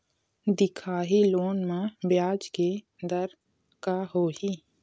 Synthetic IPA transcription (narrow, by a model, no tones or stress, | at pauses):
d̪ɪkʰaːɦiloːnmãbjaːd͡ʒke | d̪əɾ | kaɦoːɦi